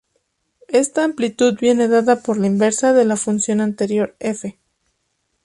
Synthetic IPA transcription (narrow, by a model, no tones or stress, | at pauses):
e̞st̪aːmplit̪uðbje̞ne̞ðaðapo̞ɾlaimbe̞ɾsaðe̞lafunsjo̞nant̪e̞ɾjo̞ɾefe̞